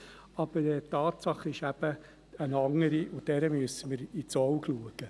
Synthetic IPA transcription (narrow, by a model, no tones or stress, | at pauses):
ɑb̥əɾɛtɑːtsɑχɪʃæb̥ə | ənɑŋəɾiʔʊd̥ɛɾəmyəsəməɾit͡sɔwkluəɡ̥ə